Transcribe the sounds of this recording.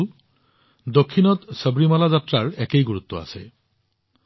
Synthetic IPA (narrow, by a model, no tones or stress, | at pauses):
d̪okʰːinɔt̪səbɹimalazatɹaɹɛkejɡuɹut̪ːɔa̰sḛ